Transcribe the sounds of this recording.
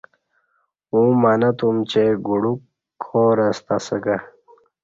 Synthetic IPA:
umaːnɐt̪umt͡ɕeɡuɽukʰː | oːɾɐst̪asəɡa

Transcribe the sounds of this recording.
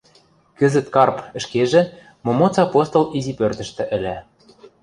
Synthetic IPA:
kɘ̆zə̆t̪kɑrpə̆ʃkeʒĕ | momot͡sɑpost̪olizipørt̪ə̆ʃt̪ɘ̆ʔɘ̆lʲæ

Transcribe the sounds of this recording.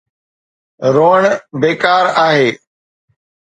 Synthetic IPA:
ɾoːəɳbeːkaːɾaːɦeː

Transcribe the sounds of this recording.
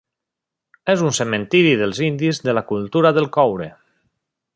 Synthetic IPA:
ɛzunsemẽnt̪iɾiðelˠzind̪izðelakulˠt̪uɾaðelˠkɔwɾe

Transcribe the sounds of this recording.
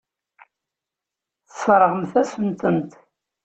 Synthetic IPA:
θə̥sfɾˤəʁəmθæsənt̪ənt̪

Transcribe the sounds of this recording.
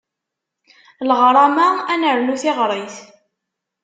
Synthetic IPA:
lʁɾˤɑmaænəɾnuθɪʁɾˤəθ

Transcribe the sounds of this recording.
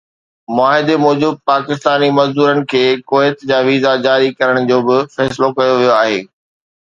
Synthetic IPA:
mʊaːɦɪd̪emɔːd͡ʑuːd̪̚paːkɪst̪aːnimɐzd̪uːɾənɪ̆kʰeːkoːɪt̪d͡ʑaːʋiːzad͡ʑaːɾikɐɾəɽ̃d͡ʑoːbɪfɛːsɪlokɐjoʋijoaːɦeː

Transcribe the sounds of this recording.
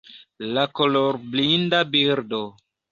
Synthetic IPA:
lakoloɾblindabiɾdo

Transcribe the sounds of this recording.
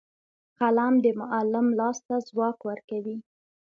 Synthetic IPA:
kalamd̪əmʊʔalɪmlɑst̪azwɑkwəɾkawi

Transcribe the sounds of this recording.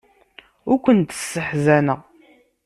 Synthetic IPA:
ʊɾkʷənt̪ə̥sːəħzænəʁ

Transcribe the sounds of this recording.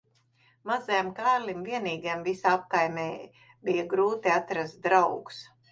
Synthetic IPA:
mazajamkaːɾlʲimviɛniːɡajmvisaap̚kajmʲɛː | bijaɡɾuːt̪iat̪ɾast̪̚d̪ɾawɡu̥s

